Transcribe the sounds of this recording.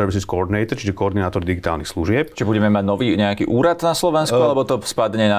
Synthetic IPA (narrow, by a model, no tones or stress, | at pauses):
ɾɛʋisiskɔɔɾd̪inɛjt̪ɛɾt͡ʃiʒɛkɔɔɾd̪inaːt̪ɔɾd̪iɡit̪a̰ːlnixsluʒɪɛpt͡ʃibuɟɛmɛmaɟnɔʋiːɲɛakiːʔuːɾad̪naslɔʋɛnskkualɛbɔt̪ɔspad̪ɲɛna